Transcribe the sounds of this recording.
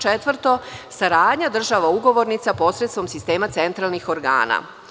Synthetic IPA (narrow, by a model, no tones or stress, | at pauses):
t͡ʃet̪ʋr̩t̪o̞saɾaːd̪ɲad̪r̩ʒaʋauɡo̞ʋo̞ɾnit̪sapo̞sɾet̪st̪ʋo̞msist̪e̞ːmat̪sent̪ɾalˠnixo̞ɾɡa̰ːna̰